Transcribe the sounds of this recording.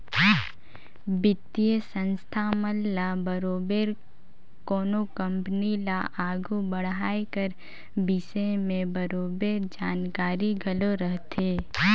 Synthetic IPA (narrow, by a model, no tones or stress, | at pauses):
bɪt̪iəsə̃nst̪ʰaməlːabəɾoːbeːɾ | koːnokə̃mpnilaʔaːɡʱubəɽɦaːekəɾ | bɪʃemẽbəɾoːbeːɾd͡ʒaːnkaːɾiɡʱəloɾəɦt̪eː